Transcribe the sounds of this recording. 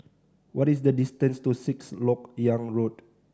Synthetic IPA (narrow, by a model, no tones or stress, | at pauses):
wɔtis̬dədistə̃nstusikslɔkjãŋɹod